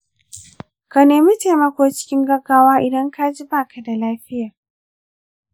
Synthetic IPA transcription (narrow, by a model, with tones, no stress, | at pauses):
ka˨neː˨mi˦teː˨mɐ˦kʷoː˦t͡ʃɪ̥˦kʲɪ˦ŋɡɐ˦ɡaː˦waː˦ʔɪ˨dɐ˦ŋkaː˦d͡ʒɪ˦baː˦˨ka˨da˨laː˦ɸɪ˦jaː˨